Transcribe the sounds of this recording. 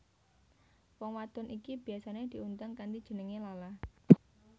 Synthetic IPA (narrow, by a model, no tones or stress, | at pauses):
wɔŋwat̪ʊnʔikib̥i̤asaned̪̥i̤unt̪ʊŋkant̪id̥ʒ̥ə̤nəŋelalah